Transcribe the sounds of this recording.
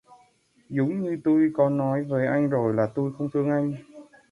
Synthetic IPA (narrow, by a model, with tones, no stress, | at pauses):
zʊ˨˦ŋ͡mɲɨ˧t̪u˧jkɔ˨˧˦nːɔ˨˦jveː˨˦ʔa˧jŋ̟zo˨˩jlaː˨˩t̪u˧jxə˧wŋ͡mt̪ʰɨ˧əŋʔa˧jŋ̟